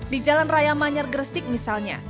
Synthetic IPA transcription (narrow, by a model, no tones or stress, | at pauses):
did͡ʒalanrajamaɲarɡərsɪk̚misalɲa̰